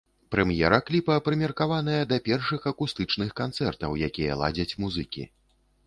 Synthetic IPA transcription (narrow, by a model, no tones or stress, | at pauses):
pɾɛmjɛɾɐklʲipɐpɾɨmʲɛrkavan̪ɐjɐd̪ɐpʲɛrʂɨxɐkust̪ɨt͡ʂnɨxkant̪sɛrt̪ɐwjakʲijɐ̰lˠa̰d͡zʲɐt͡sʲmuzɨkʲḭ